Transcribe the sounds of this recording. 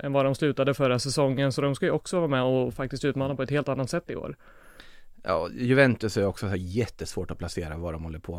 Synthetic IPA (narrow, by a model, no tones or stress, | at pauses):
ʔɛnvad̪ɔmslʉ̟ːt̪ad̪əfœɾasɛsɔŋːənsɔd̪ɔmskajɵɔksɔvɑːmɛɔfak̚t̪ɪst̪ʉ̟t̪mɑːnapʰɔɛt̪heːlt̪anːat̪sɛt̪ːɪ̰o̰ːɾ | jɑ̰ːjɵvɛnt̪ɵsæɾɔksɔɛjɛt̪ːəsvoːʈɔpʰlaseːɾavaɖɔmhɔlːəɾpʰoː